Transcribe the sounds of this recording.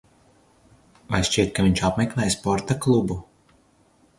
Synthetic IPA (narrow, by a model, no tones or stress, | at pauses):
vajʃʲt͡ʃiɛt̪̚kaviɲʲt͡ʃapmɛklˠɛjspɔɾt̪aklˠubu